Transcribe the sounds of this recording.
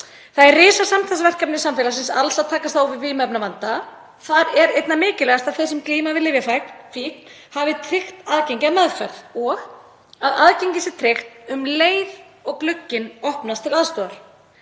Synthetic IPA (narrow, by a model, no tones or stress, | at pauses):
θaðɛrːɪːsasamt̪ʰasvɛr̥kapnɪsamfɛlasɪnsalsaðt̪ʰaːkast̪θavɪvɪmɛpnavant̪a | θaɾɛɾejt̪namɪːcɪlɛɣast̪aðθɛsɛmkliːmavɪðlɪːvjafajknfiːkn̥ | havɪt̪ʰɾɪxt̪aðceɲcɪaðmaðfɛɾðɔɣ | aðaðceɲcɪsɪt̪ʰɾɪxt̪ʏmleːjð | ɔɣklʏcːɪnɔhpnast̪ʰɪlaðst̪ɔːaɾ̥